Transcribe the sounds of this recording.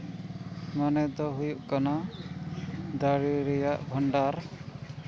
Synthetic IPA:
manɛd̪ɔɦujuʔkana | d̪aɽiɾɛjaʔbʱɔɳɖaɾ

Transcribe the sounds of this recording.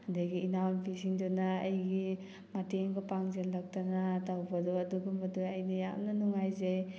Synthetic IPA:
hɐndɐɡiːnawnpʰisiŋdɔnaːjɡi | mateŋɡɐpaŋzenlɐk̚tanatawbɐdɔɐduɡɐmɐdujajnɐja̰mnɐnuŋajzej

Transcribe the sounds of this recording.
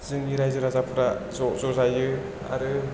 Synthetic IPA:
z̥ɯŋiɾajzɯɾazapʰɯɾazɔzɔzajɯ | a̰ɾɯ

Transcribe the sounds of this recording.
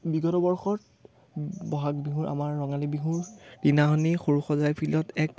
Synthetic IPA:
biɡɔtɔbɔɹxɔt̚ | bɔɦak̚biɦuɹʔa̰maɹːɔŋalibiɦuɹdinaɦɔnixoɹuxɔzajpʰilɔtɛk̚

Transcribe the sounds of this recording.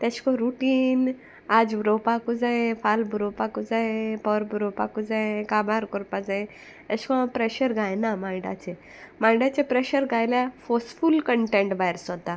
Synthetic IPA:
t̪at͡ɕkɔɾuʈiːn | ad͡zbɾopakud͡zaefʰalbuɾopakud͡zaepɔɾbuɾopakud͡zaẽkabaɾkɔɾpad͡zãẽ | ət͡ɕkɔpɾeɕəɾɡʱajnamãɖa̰t͡se | majɖat͡sepɾeɕəɾɡʱajljafosfulkəɳʈẽɳʈbajɾsɔt̪a

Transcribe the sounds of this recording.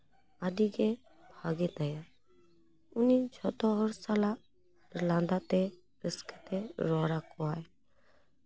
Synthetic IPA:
aːdiːɡeː | bʱaːɡeːt̪əjaː | ʊnit͡ʃʰoːt̪oːɦɔɾsaːla | ɪɾlãːnd̪aːt̪e | ɾɪskt̪eːɾɔːɾaːkoːaːe

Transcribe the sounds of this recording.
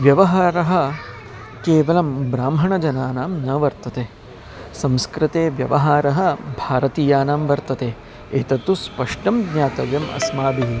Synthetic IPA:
ʋjɐʋɐɦaːɾɐɦɐ̆ | keːʋɐlɐmbɾaːmɦɐɳɐd͡ʒɐnaːnaːmnɐʋɐɾt̪ɐt̪eː | sɐ̃mskɾɪt̪eːʋjɐʋɐɦaːɾɐɦɐ̆bʱaːɾɐt̪iːjaːnaːmʋɐɾt̪ɐt̪eː | eːt̪ɐt̪ːuspɐʂʈɐmɡɲaːt̪ɐʋjɐmɐ̰smaːd̪iɦi

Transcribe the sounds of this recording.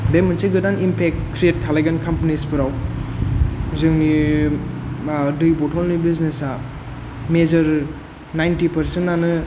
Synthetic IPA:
demɯnsiɡɯdanimpʰek̚tkːɾiet̚kʰalajɡankʰampanispɯɾaw | zɯŋni | dɯjbɔtʰɔlnibiznesa | mezɐɾ | najntipʰɐɾsentːanɯ

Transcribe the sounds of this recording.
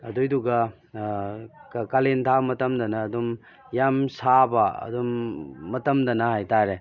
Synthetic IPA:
ɐdujduɡɐ | kkalentʰamɐtɐmd̪ɐnɐːdum | jamsabɐɐ̰dumːɐtɐmdɐnɐhajtaɾe

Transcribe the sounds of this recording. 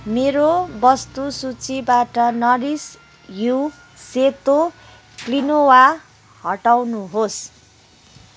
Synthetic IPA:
meɾobʌst̪usut͡sibaʈʌnʌɾis | ju | set̪o | klinowa | hʌʈawnuɦos

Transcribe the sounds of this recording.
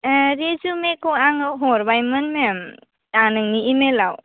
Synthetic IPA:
ɾezumekɔaŋɦɔɾbajmɯnmem | anɯŋniimelaw

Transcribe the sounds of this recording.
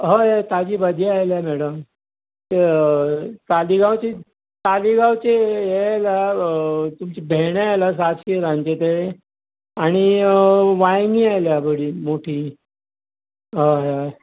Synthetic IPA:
ɦəjet̪ad͡ʑiːbəd̪ʱiajljamɛɽəm | t̪e | t̪aliɡawt͡ɕi | t̪aliɡawt͡ɕejela | t̪umt͡ɕebʱeɳealas̬at̪ɕiɾãɲt͡ɕet̪eɭe | aɽ̃i | ʋajŋɡiːajljabəɽiːmoʈʰiː | ɦoɦ

